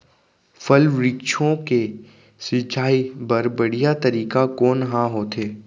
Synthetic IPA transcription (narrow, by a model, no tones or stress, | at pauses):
fʰɐlʋɾiːkʃʰõke | sɪt͡ʃaːibɐɾbɐɽ̤ijat̪ɐɾiːkakoːnɦãɦoːt̪eː